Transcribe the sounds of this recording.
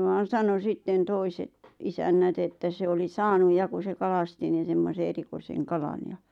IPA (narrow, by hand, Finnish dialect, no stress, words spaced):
ʋɑːn̞ sɑno sitːen toiset isænːæt etːæ se oli sɑːnuj jɑ ku se kɑlɑsti nin̞ semːose erikoiseŋ kɑlɑn jɑ